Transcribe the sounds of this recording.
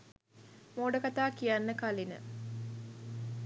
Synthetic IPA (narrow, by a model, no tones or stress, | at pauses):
moːɖəkat̪aːkijanːəkalinə̰